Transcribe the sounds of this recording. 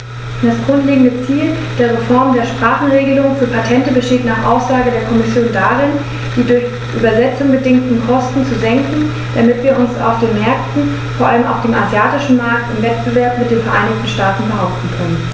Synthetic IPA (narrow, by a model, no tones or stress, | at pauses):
d̥asɡ̥ʁʊntleːɡŋ̩dət͡siːld̥eːɐʁ̞efɔɐmdeːɐʃpʁ̥aːχn̩ʁeːɡəlʊŋfyːɐpʰatʰɛntəbəʃteːtnaːχʔa̰ʊsz̥aːɡədeːɐkʰɔmɪsjoːndaʁɪn | d̥iːdʊɐç | ʔyːbɐzɛt͡sʊŋbədɪŋtn̩kʰɔstn̩t͡suzɛŋkŋ̩ | d̥amɪtv̥iːɐʔʊnsa̰ʊfd̥eːnmɛɐk̚tn̩ | foːɐʔaləma̰ʊxd̥eːmazjaːtɪʃn̩maɐk̚tɪmvɛt̚b̥əvɛɐpmɪt̚d̥eːnfɛɐʔaɪnɪçtn̩ʃtaːtn̩bəɦaʊp̚tn̩kʰœnən